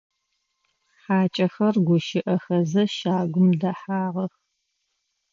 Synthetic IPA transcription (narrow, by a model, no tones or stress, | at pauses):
ħaːt͡ʃʼɐxɐrɡʷʊʃɪʔɐxɐzɐʃaːɡʷʊmdɐħaːʁɐx